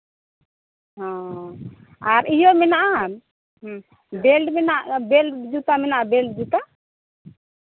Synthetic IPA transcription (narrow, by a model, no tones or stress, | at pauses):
ɦã | aɾijɔmɛnaʔa | bɛlɖmɛnaʔbɛlɖd͡ʒut̪amɛnaʔabɛlɖd͡ʒut̪a